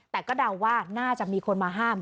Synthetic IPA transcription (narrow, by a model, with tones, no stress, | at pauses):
t̪ɛː˨˩kɔː˥˩da˧wːaː˥˩naː˥˩t͡ɕa˨˩ʔmiː˧kʰo˧nmaː˧ɦaː˥˩m